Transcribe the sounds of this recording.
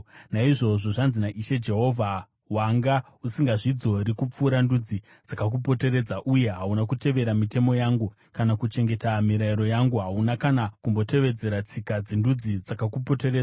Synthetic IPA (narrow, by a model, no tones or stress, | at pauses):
naiʐo̞ʐo̞ʐanzinaʔiʃe̞d͡ʒe̞ɦo̞vʱa | waŋɡa | usiŋɡaʐid͡zo̞ɾikup͡fuːɾandud͡zi | d͡zakak̬up̬o̞te̞ɾe̞d͡zaʔuje̞ɦaunakute̞ʋe̞ɾamite̞mo̞jaŋɡu | kanakut͡ʃe̞ŋɡe̞tamiɾaiɾo̞jaŋɡuɦaunakanakumbo̞te̞ʋe̞d͡ze̞ɾat͡sikad͡zindud͡zid͡zakakupo̞te̞ɾed͡za